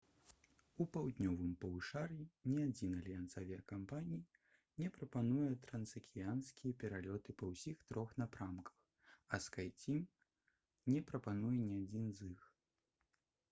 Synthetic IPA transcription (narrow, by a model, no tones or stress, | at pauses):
upawd̪ʲnʲɔvɨmpɐwɨʂarjinʲɛad͡zʲinɐlʲijant̪savʲijɐkampanʲij | nʲɛpɾɐpanujɛt̪ɾɐnsɐkʲijanskʲijɛpʲɛɾalʲɔt̪ɨpɐwsʲixt̪ɾɔxnapɾamkɐ̥x | ɐskajt͡sʲim | nʲɛpɾɐpanujɛnʲɛad͡zʲinzɨx